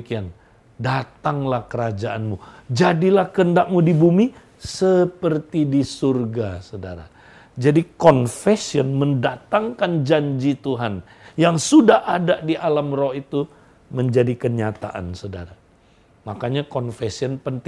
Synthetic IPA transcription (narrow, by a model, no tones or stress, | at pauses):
kian | dat̪aŋlahkəɾad͡ʒaʔanmud͡ʒadilahkəndak̚mudibumi | səpərt̪idisurɡasoda̰ɾa̰ | d͡ʒadikɔnfɛsiənməndat̪aŋkand͡ʒaɲd͡ʒit̪uɦan | jaŋsudahʔadadiʔalamrɔhit̪u | məɲd͡ʒadikəɲat̪a̰ʔa̰nsoda̰ɾa | makaɲakɔnfɛsiɔnpənt̪